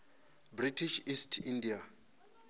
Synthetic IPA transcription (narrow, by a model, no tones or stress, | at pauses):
britʰiʃistʰindia